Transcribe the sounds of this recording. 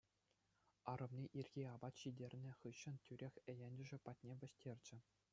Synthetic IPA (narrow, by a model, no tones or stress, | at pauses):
ɑɾɤ̆mnʲiʔirʲɡʲiɑbɑt̪ɕidʲerʲnʲɘ̆χɯɕːɤ̆ntʲyɾʲexʲĕjenʲd͡ʑɘ̆ʐɘ̆pɑt̚ʲnʲeʋʲɘ̆ɕʲtʲerʲd͡ʑɘ̆